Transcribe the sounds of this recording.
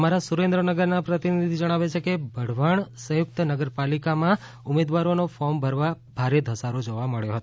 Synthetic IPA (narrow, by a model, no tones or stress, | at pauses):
əmaɾasuɾẽnd̪ɾənəɡəɾnapɾət̪inid̪ʱid͡ʒəɽ̃aʋet͡ʃʰekebʱəɽ̤ʋaɳsə̃jʊk̚t̪ənəɡəɾpalikamã | ʊmed̪ʋaɾonofɔɾmbʱəɾʋa | bʱaɾed̪ʱəsaɾod͡ʒoʋaməɭjoɦət̪o